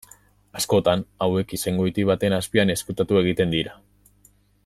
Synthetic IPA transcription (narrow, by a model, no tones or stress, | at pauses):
asko̞t̪anawe̞kise̞ŋɡo̞it̪iβ̞at̪e̞naspiane̞skut̪at̪ue̞ɣ̞it̪e̞nd̪iɾa